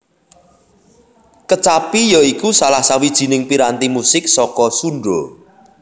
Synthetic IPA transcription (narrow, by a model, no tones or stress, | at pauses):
kət͡ʃapijɔikusalahsawid̥ʒ̥i̤nɪŋpiɾant̪imusɪk̚sɔkɔsuɳɖɾo